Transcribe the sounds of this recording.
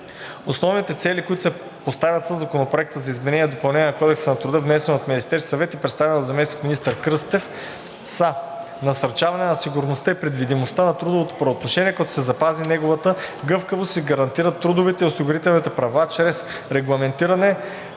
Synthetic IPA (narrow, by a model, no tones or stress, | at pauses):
osnɔvnit̪ɛt̪sɛlikoit̪ʊsɛ | post̪avʲɐt̪səzɐkonopɾoɛk̚t̪əzɐizmɛnɛnʲiɛd̪opɐlˠnɛnʲɛnɐkɔd̪ɛksənɐt̪ɾʊd̪əvnɛsɛnot̪minist̪ɛɾsɐvɛt̪ipɾɛt̪st̪avɛnlˠd̪zɐmɛsnikminist̪əɾkɾɤst̪ɛf | sə | nɐsɐɾt͡ʃavɐnɛnɐsiɡʊɾnost̪əipɾɛd̪vid̪imost̪ənɐt̪ɾud̪ovot̪o̥pɾɐot̪noʃɛniɛkɐɛt̪ʊ̥sɛzɐpazinɛɡovət̪əɡɤfkəvost̪iɡɐɾɐnt̪iɾət̪ːɾud̪ʊvit̪ɛiosiɡʊɾit̪ɛlˠnit̪ɛpɾɐvat͡ʃɾɛs | ɾɛɡlˠɐmɛnt̪iɾɐnɛ